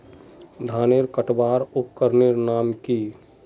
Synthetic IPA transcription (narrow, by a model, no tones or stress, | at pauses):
d̪ʱaːneɾkəʈbaːɾʊkːəɾneɾnaːmki